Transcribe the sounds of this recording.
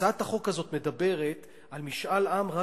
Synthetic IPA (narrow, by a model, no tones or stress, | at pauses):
aat̪aχo̞khazo̞tme̞d̪abe̞ʁe̞t̪ | almiʃʔalʔamʁa